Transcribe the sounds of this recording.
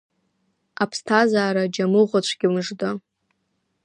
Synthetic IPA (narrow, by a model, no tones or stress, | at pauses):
apʰstʰazaːɾad͡ʒamɨʁʷat͡ɕʷʰɡ̥ʲiwmɨʐda